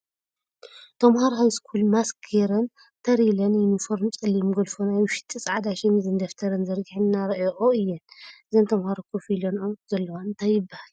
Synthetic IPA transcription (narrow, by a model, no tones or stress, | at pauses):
t̪ʰɐmhaɾɦajskʰulmaskʰeɾɐn | t̪ʰɐɾilɐnjɪnifoɾmt͡sʼɨlːimɡɐlfonajwɨʃi̥t̪ʰisʼʕad̪aʃɛmizɨnd̪ɐft̪ʰɐɾɐnzɐɾɡiħɨnnːaɾɐʔeʔoɨjːɛnʔɨzont̪ʰɐmhaɾokʰofilonomzɐlːɐwaɨnt̪ʰajːɪbːahal